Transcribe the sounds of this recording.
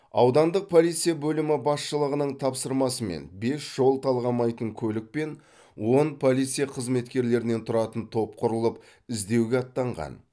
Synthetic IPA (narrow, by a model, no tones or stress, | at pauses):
ɑ̰wd̪ɑnd̪əq̚pʰo̞lˠijt̪sɨjabɵlɪmɪbɑsʃəlˠəʁənəɴt̪ʰɑpsəɾmɑsəme̞̰nbe̞sʒ̥o̞lˠt̪ʰɑlˠʁɑmɑjt̪əŋkʲʰɵlɪk̚pe̞n | wo̞npʰo̞lˠijt̪sɨjaqʰəzme̞t̪kʲe̞ɾle̞ɾɪne̞nt̪ʰʊɾɑt̪ənt̪ʰo̞p̚qʰʊɾəlˠəp | ɪzd̪e̞wɡʲeɑt̪ːɑɴʁɑ̰n